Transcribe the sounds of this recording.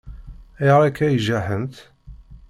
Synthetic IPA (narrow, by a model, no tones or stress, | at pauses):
iɾˤækːæjʒæħənt̪